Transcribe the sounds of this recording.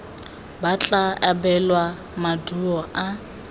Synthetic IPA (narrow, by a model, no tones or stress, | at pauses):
bat͡ɬʼaʔabɛlwa | maduɔʔa